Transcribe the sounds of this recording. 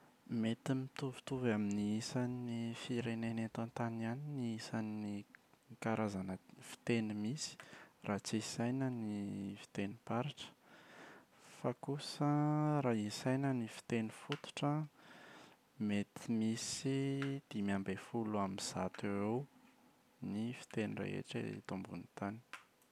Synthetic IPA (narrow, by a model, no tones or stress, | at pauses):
met̪imit̪uvu̥t̪uvaminiisanifiɾenenet̪ant̪anianiniisannikaɾʔazanəfi̥t̪enimisi̥rʔat͡sisajnənifi̥t̪enipaɾaʈ͡ʂə̥ | fakusəɾaisajnənifi̥t̪enifut̪u̥ʈ͡ʂə | met̪ʰimisid̪̥imiambefuluamiz̥a̰t̪ewew | nifi̥t̪enirḛḛʈ͡ʂḛḭt̪umbṵnit̪ani̥